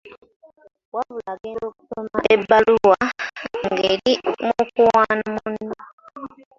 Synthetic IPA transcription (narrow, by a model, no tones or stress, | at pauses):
waβulaɡeːloːku̥somaebːaluwaŋɡeːɾimukuwanamunːo